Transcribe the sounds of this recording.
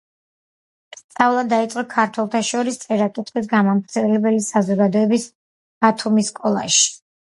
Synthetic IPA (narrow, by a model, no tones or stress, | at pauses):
stt̪sʼavlˠad̪d̪ːait̪sʼɔkʰaɾt̪ʰwɛlˠt̪ʰaʃɔɾist̪sʼɛɾakʼit̪ʰʼχʼisɡamɔmɾt̪sʰɛlɛbɛlisazɔɡad̪ɔɛbis | b̥at̪ʰumiskʼɔlˠa̰ʃi̥